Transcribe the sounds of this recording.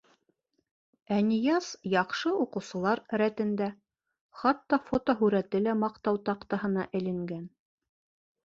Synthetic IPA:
ænijɑsjɑqʃɤuqɤ̆wsɤ̆lˠɑɾɾæt̪ɘ̆nd̪æ | χɑt̪ːɑfot̪oɦʉɾæt̪ɘlæmɑqt̪ɑwt̪ɑqt̪ɑɦɤ̆nɑ̰ʔɘ̆lɘ̆ŋɡæn

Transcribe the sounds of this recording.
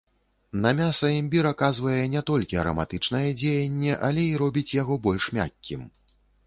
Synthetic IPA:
nɐmʲasɐɛmʲbʲiɾakazvɐjɛnʲɛt̪ɔlʲkʲiɐɾɐ̰ma̰t̪ɨt͡ʂnɐjɛd͡zʲejɐnʲːɛʔɐlʲɛiɾɔbʲit͡sʲjaɣɔbɔlʲʂmʲa̰kʲːim

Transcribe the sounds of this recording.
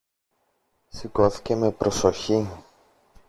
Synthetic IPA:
siko̞θi̥ce̞me̞pɾo̞so̞çi

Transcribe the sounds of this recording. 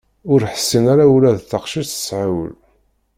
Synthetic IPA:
ʊɾħəsːinaɾaulæðθəqʃiθə̥sʕawə̰l

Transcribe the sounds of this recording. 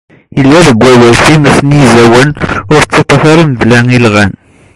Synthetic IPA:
jəlːæðəɡʷːæwælθimæsənjizæwənʊɾt͡sːɑt̪ˤːɑθɑɾəmðlæŋilʁæn

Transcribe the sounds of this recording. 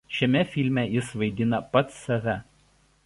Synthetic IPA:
ʃʲɛmʲɛfʲɪlʲmʲɛjɪsʋɐɪd̪ʲɪnɐpɐt̪sɐʋʲɛ

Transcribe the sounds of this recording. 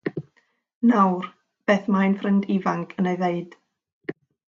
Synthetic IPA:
nawr | b̥eːθmajnfrɪndivaŋkʰəneɨðeɨd̥

